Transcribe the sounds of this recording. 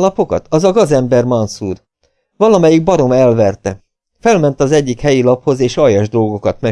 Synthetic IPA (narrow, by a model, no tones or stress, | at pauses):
lɒpo̞kɒ̰t̪ɒzɒɡɒzɛmbɛrmɒnsuːr | vɒlɒmɛjiɡ̚bɒɾo̞mɛlvɛrt̪ɛ | fɛlmɛn̪t̪ɒzɛɟːikhɛjilɒpho̞zeːʃɒjɒʒd̪o̞lɡo̞kɒt̪mɛ